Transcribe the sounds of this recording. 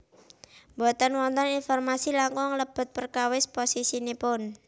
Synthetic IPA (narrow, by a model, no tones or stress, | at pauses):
mbot̪ɔnwɔnt̪ɔninfɔrmasilaŋkɔŋləb̥ə̤t̪̚pərkawɪsposisinipʊn